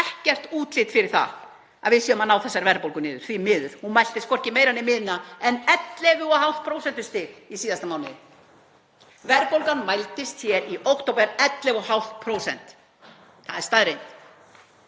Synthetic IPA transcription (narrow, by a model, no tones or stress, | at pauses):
ɛhcɛr̥t̪uːt̪lɪt̪fɪɾɪɾ̥θa̰ | a̰ðvɪðsiːʏmanaːwθɛsːaɾvɛɾpowlkʏnɪːðʏɾ̥θvimɪːðʏɾ̥hunmajl̥t̪ɪst̪kʰfɔr̥cɪmeːjɾanːɪmɪːðɪnaɛnɛt̪lɛvʏɔhawlt̪̚pʰɾowsɛnt̪ʏst̪ɪðisiːðast̪amaːwnɪðɪ | vɛɾpowlkanmajlt̪ɪst̪çɛɾiʔowkt̪owpɛɾɛt̪lɛvɔɦawl̥t̪̚pʰɾowsɛ̰n̥t̪ | θa̰ðɛɾst̪aðɾejnt̪